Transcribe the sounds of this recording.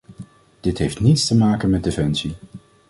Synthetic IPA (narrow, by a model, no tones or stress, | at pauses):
d̥ɪtɦejftnitstəmaːkənmɛt̚defɛnsi